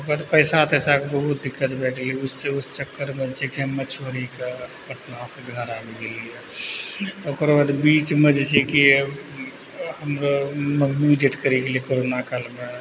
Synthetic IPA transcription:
baːd̪pəɪsat̪ːsakbɐbʊt̪̚d̪ɪkːət̪bɛːʈʰleʊseʊst͡ʃəkːəɾməd͡ʒt͡ʃekimːət͡ʃʋəɾikapəʈnaseɡnaɾaːbikelie | okoɾbad̪biːt͡ʃməd͡ʒt͡ʃeki | hɐmɾoməmːiɖeʈkəɾikeliekoːɾoːnakalbə

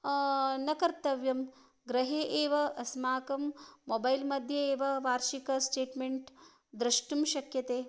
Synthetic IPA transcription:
nɐkɐɾt̪ɐʋjɐm | ɡɾɐɦeːʔeːʋɐʔɐsmaːkɐmːoːbajlmɐd̪ʱjɐeːʋɐʋaːɾʃikɐsʈeːʈmeɳʈ | d̪ɾɐʂʈumʃɐkjɐt̪eː

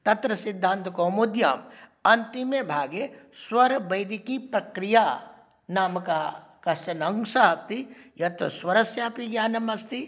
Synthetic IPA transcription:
t̪ɐt̪ɾɐsid̪ʱːãːnt̪ɐkoːmud̪ja̰ːmɐnt̪imebʱaːɡeswɐɾbɐjd̪ikipɾɐkɾijaː | naːmɐkakɐsɐnɐŋsaɦɐst̪ijɐt̪o̰swɐɾɐsjaːpiɡjaːnɐmɐst̪i

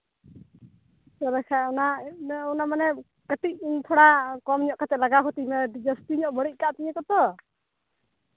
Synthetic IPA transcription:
tɔɾɛkʰaɔnaɔnamanɛ | kət̪ic̚t̪ʰɔɽakɔmɲɔʔkat̪ɛlaɡakʰɔt̪imɛɖid͡ʒəsʈiɲɔʔbəɽic̚ˀkaʔt̪iɲɛkɔt̪ɔ

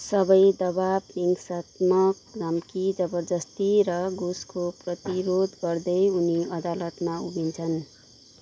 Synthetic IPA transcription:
sʌbʌjd̪ʌbabiŋɡsat̪mʌk̚dʌmkid͡zʌbʌrd͡zʌst̪iɾʌɡuskoprʌt̪iɾod̪ɡʌrd̪ʌjuniʌd̪alʌt̪maubint͡sʰʌn

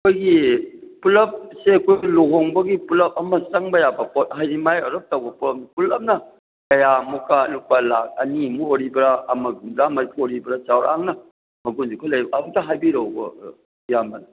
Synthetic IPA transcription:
kʰojɡipulɐp̚seɐkʰojloɡoŋbɐɡipulɐp̚ɐmɐsɐŋbɐjabɐpot̚ɦajɾimajɐɾup̚tawbɐpulɐmnipulɐmnɐ | kɐjamukanupalak̚ɐ̰nimuoɾibɐɾaːmɐɡundamɐɾitʰoɾibɐɾat͡ʃawɾa̰ŋnɐ | mɐɡunzikʰojlɐjbɐab̚taɦajbiɾowbɐ̰ | jamɐn

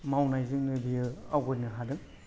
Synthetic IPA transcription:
mawnajzɯŋnɯbijɯawɡɔjnɯɦadɯŋ

